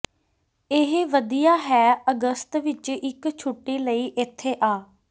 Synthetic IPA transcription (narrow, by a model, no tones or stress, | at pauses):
ɪɦʋəd̪ijaːɦɛːəɡəst̪ʋɪt͡ʃɪkt͡ʃʰʊʈːeːləiːʔɪt̪ʰːeːʔaː